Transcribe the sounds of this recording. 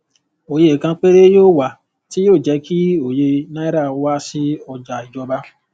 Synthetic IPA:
o˨je˦˨kã˧k͡pe˦ɾe˦joː˦˨wa˨ | ti˦joː˦˨d͡ʒɛ˨˧˦kʰi˦o˨je˧nã˦i˦ɾa˦˨˦wa˦si˦ɔ˧d͡ʒa˨i˨d͡ʒɔ˧˦ba˧

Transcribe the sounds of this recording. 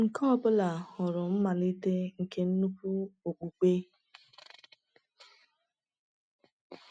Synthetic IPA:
ŋ̩˨kɔ˦ɔ˦bʊ˦la˨ɔ˨ɾʊ˨m̩˦ma˨li˦te˦ŋ̩˨ke˦n̩˦nu˦pu˦o˨k͡pu˨k͡pe˦

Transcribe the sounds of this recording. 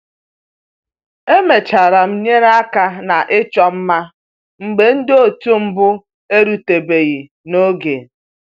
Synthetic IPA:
e˦me˨t͡ʃa˨ɾa˨m̩˦ɲe˦ɾa˦ka˦na˨ʔɪ˦t͡ʃɔ˦m̩˦ma˦ | ŋ͡m̩˨ɡ͡be˨n̩˦do˨tu˦m̩˦bʊ˦ | e˦ɾu˨te˨be˨ɣi˨ | no˦ɡe˨

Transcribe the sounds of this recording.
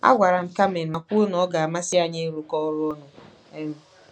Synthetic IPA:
a̰˦ɡʷa˨ɾa˨m̩˨ka˦me˨n̩˨a˨kʷu˦o˦n˨ɔ˦ɡa˨a˨ma˦sɪ˦a˨ɲe˦ɾʊ˨kɔ˦ɾʊ˦ɔ˦nʊ˨ | e˦m̩˦

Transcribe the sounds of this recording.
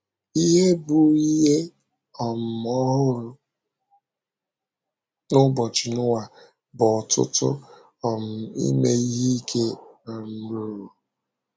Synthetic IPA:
i˦ɦe˦bu˨i˦ɦe˦ | ɔ˨m̩˨ɔ˦ɦʊ˦ɾʊ˦ | nʊ˦bɔ˨t͡ʃɪ˨nʊ˦wa˨ | bɔ˨tʊ̰˦tʊ̰˦ | ɔ˨m̩˨ḭ˦me˦i˦ɦe˦i˦kʰe˦a˨m̩˦ɾu˦˨˦ɾu˨

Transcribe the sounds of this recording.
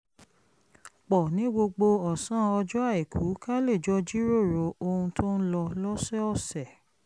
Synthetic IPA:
k͡pɔ˨nĩ˨˦ɡ͡bo˧ɡ͡bo˧ɔ˨sã˨˦ɔ˧d͡ʒɔ˦a˦˨i˨kʰu˨˦ka˦le˦˨d͡ʒɔ˦d͡ʒi˦ɾo˦˨ɾo˨o˧hũ˧tʰo˦n̩˦lɔ˧lɔ˦sɛ˦ɔ˦˨sɛ˨

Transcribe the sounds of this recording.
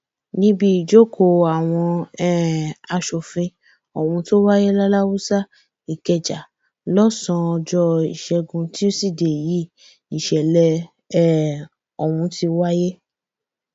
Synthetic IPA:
nĩ˦bi˧i˨d͡ʒo˦kʰo˨a˨w̃ɔ̃˧ɛ˦˨a˧ʃo˨fĩ˧ | ɔ˨wũ˧to˦wa˦je˦la˦la˦wu˦sa˦ | i˨kɛ˧˨d͡ʒa˨ | lɔ˦sã˧ɔ˧d͡ʒɔ˧i˨ʃɛ˧ɡũ˧ti˦o˦si˦˨de˨ji˨˦ | i˨ʃɛ˨lɛ˧ | ɛ˦ | ɔ˨wũ˧ti˧wa˦je˦

